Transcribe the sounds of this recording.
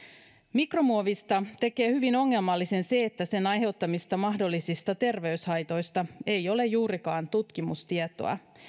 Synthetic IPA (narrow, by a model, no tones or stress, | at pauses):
mikro̞muoʋist̪ɑt̪e̞ke̞ːhyʋino̞ŋːe̞lmɑlːise̞nse̞ːt̪ːæse̞nɑjɦe̞wt̪ːɑmist̪ɑmɑɦdo̞lːisist̪ɑt̪e̞rʋe̞yshɑjt̪o̞jst̪ɑe̞jo̞le̞jjuːɾikɑːnt̪ut̪k̟imust̪iɛt̪o̞̰ɑ̰